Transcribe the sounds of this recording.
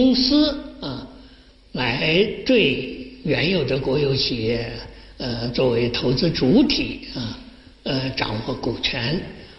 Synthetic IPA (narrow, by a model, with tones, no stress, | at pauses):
ʊ˥ŋsɹ̩˥ə˧ | la˧˥ɪt̪we˥˩ɪɥɛ˧˥njo˨˩ʊd̪ə˦kwɔ˧˥jo˧˥ʊt͡ɕʰi˨˩jɛ˥˩ə˧t͡swɔ˥˩we˧˥ɪt̪ʰo˧˥ʊt͡sɹ̩˥ʈ͡ʂu˧˥t̪ʰi˨˩˦ə˥˧ | ə˧ʈ͡ʂɑ̰˨˩ŋwɔ˥˩ku˨˩t͡ɕʰɥɛ˧˥n